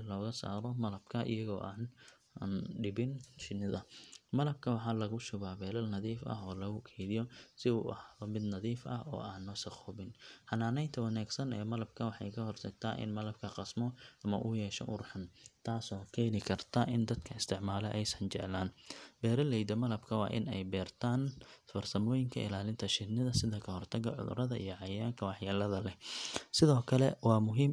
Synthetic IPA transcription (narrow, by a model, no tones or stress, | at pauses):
lɔːɣɐsa̰ːɾɔmɐlɐbkʰɐʔɪ̰jɐɣɔ̰ːʔaːn | nɖɪbɪnʃɪnɪðɐmɐlɐb̚kʰɐwɑħɑːlɐɣʊʃʊɣaːbɛːlɐlnɐðiːfɐ̰ɦɔːlɐɣʊkʰɛjðɪjɔsɪṵːʔɐhaɔmɪd̪nɐðiːfɐ̰ɦɔ̰ːʔaːnːɔːsɐχʊbɪnħɐnaːnɛjnt̪ʰɐwɐnaːɡsɐnɛːmɐlɐb̚kʰɐwɑħɑjkʰɐɦɔrsɐɡt̪ʰa̰ːʔɪ̰nmɐlɐb̚kʰɐqɑsmɔʔɐmɐ̰ʔʊjɛːʃɔ̰ʔʊrħant̪ʰaːsɔːkʰɛːnɪkʰɐrt̪ʰɐʔɪnd̪ɐd̪kʰɐɪst̪ʰɪʕmaːlɛʔɛjsɐnt͡ʃɛʕlaːnb̥ɛːɾɐlɛjd̪ɐmɐlɐbkʰɐwɑ̰ːʔɪ̰nɛjbɛːrt̪ʰaːnfɐrsɐmɔːjɪŋkʰɐ̰ʔɪ̰laːlɪnt̪ʰɐʃɪd̪nɪðɐsɪðɐkʰɐhɔrt̪ʰɐɡɐ̰ʕʊ̰ðʊ̰ɾɐðɐʔḭjɞʕɑjaːŋkʰɐwɑħjɐlɐðɐlɛhsɪðɔːkʰɐlɛwɑːmʊɦiːm